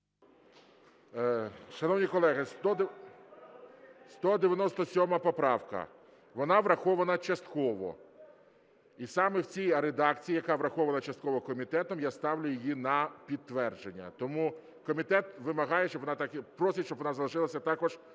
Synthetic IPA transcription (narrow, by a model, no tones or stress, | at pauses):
ʃɐnɔwnʲikɔlˠɛɦɪst̪ɔ | st̪ɔd̪eʋʲjɐnɔst̪ɔsʲɔmɐpɔpɾɑwkɐ̰ | ʋɔnɑʋɾɐxɔʋɐnɐt͡ʃɐst̪kɔʋɔ̰ | isɑmɛwt͡sʲijɾed̪ɑk̚t͡sʲijijɐkɑʋɾɐxɔʋɐnɐt͡ʃɐst̪̚kɔʋɔkɔmʲit̪ɛt̪ɔmjast̪ɑwlʲʊjɪjinɐpʲid̪̚t̪ːʋɛrd͡ʒenʲːɐ̰t̪ɔmu | kɔmʲit̪ɛt̪ʋɪmɐɦɑjɛʃt͡ʃɔbʋɔnɑt̪ɑkɪpɾɔsʲit͡ʃɔbʋɔnɑzɐlˠɐʒɪlˠɐsʲɐt̪ɑkɔʒ